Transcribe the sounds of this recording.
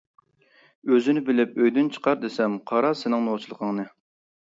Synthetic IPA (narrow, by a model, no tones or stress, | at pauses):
øzɪnɪbɪlɪpøjd̪ynt͡ʃʰə̥qʰɑɾd̪esɛmqʰɑɾɑsɪnɪŋnot͡ʃʰilˠəqʰəŋnɨ